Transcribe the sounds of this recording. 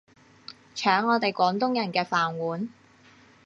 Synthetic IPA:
t͡ʃʰœː˨˥ŋːɔː˨˧t̪e˨jkʷɔː˨˥ŋt̪ʊ˥ŋjɐ˨˩nkɛː˧faː˨˩nwuː˨˥n

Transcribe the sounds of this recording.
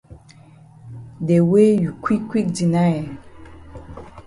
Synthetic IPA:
dɛ˨we˦ju˨kwi˦kːwi˦k̚di˨na˦ɛ˨

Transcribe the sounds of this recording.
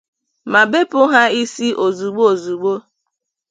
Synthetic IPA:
ma˨be˦pʊ˦ɦa˦i˦si˦ʔo˨zu˨ɡ͡bo˦o˨zu˨ɡ͡bo˦

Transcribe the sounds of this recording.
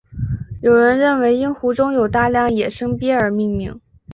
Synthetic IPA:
jo˨˩ʊɻə˧˥nɻə˥˩nwe˧˥ɪi˥nxu˧˥ʈ͡ʂʊ˥ŋjo˨˩ʊt̪a˥˧ljɑ˥˩ŋjɛ˨˩ʂɤ˥ŋpjɛ˥ə˞˨˩mi˥˧ŋli˥˩ŋ

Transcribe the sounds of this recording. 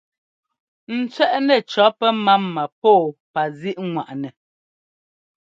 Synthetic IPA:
n̩˨t͡sɥɛ˦ʔnɛ˨t͡ʃɔ˨˦pɛ˦ma˦mːa˨pɔː˦˨pa˨zi˦ʔŋwa˨ʔnɛ˨

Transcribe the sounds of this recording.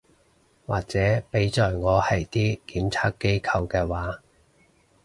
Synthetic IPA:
waː˨k̚t͡sɛː˨˥pe˨˥jt͡sɔː˨jŋɔː˨˧hɐ˨jt̪iː˥kiː˨˥mt͡sʰaː˥k̚kːe˥jkʰɐ˧wkɛː˧waː˨˥

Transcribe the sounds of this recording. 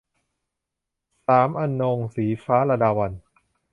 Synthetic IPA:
saː˩˦mʔa˧nːo˧ŋsiː˩˦faː˦˥ɾa˧daː˧wa˧n

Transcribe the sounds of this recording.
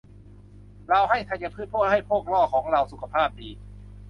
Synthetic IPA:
ɾa˧wɦa˥˩jt̪ʰa˧jka˧pʰɯː˥˩pʰo˥˩t̪̚ha˥˩jpʰoː˥˩k̚lɔː˥˩kʰɔː˩˦ŋɾa˧wsu˨˩kʰa˧pʰaː˥˩p̚diː˧

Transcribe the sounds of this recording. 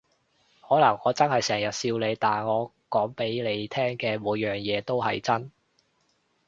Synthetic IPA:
hɔː˨˥lɐ˨˩ŋːɔː˨˧t͡sɐ˥nhɐ˨jsɛː˨˩ŋjɐ˨t̚siː˧wle˨˧jt̪aː˨nŋɔː˨˧ | kɔː˨˥ŋpe˨˥jle˨˧jt̪ʰɛː˥ŋkɛː˧muː˨˧jjœː˨˩ŋjɛː˨˧t̪o˥wɦɐ˨jt͡sɐ˥n

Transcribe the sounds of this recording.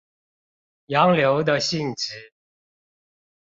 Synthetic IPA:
jɑ˨˧˥ŋljo˨˧˥ʊd̪ə˧ɕi˥˩ŋʈ͡ʂ̩˨˩˦

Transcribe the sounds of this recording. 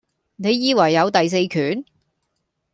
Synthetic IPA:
ne˨˧jːiː˧wɐ˨˩jːɐ˨˧wt̪ɐ˨js̬e˧jkʰyː˨n

